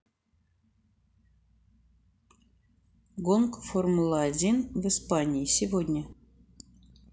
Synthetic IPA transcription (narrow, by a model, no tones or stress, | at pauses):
ɡonkformulˠadʲinvɨspanʲiːsʲɪvodʲnʲə